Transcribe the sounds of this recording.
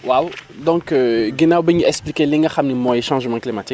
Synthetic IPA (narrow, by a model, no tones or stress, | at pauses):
wawd̪ɔ̃køɡinawbəɲiɛksplikelĩŋaxamnimɔ̃eʃɑ̃ʒmɑ̃klimat̪ik